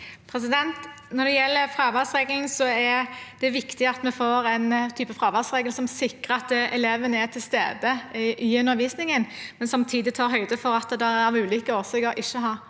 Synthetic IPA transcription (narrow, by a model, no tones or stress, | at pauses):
pʰɾɛs̬ɪd̪ɛnt̪ | nɔd̪ɛjɛlːəɾfɾɑːʋæsʁeːɡlɪŋsɔɛd̪ɛʋɪkt̪ɪɑt̪mɛfoːɾɛnt̪ʰyːpəfɾɑːʋæʁsʁeːɡəlsɔmsɪkːəɾɑt̪ɛleːʋənəæt̪ʰɪlst̪ḛːd̪əɪʔiʉnəʋiːsnɪŋənmɛnsɔmt̪ʰiːd̪ɪt̪ʰɑːɾɦœʏd̪əfɔɾɑt̪d̪ɛæʁʉːlʏkəɔːsɛɡəɾʔɪʃːəɦɑːɾ